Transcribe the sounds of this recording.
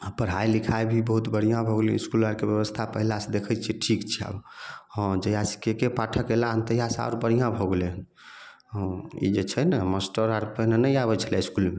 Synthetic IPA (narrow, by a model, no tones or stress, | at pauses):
pəɾɦailikʰaebʱibəɦut̪bəɽijãbʱɔɡeliiskulaɾkebjəβəst̪ʰapəɦilased̪ekʰət͡ʃʰiʈʰikt͡ʃʰia̰bhɔ̃d͡ʒəjasi̥kekepaʈʰəkelaə̃nt̪əjasa̰ʊɾbəɽ̤ijãbʱɔɡeleən | ɦɔ̃ḭd͡ʒet͡ʃʰənəməsʈəɾaɾpəɦnenəjaβət͡ʃʰəlɛiskulme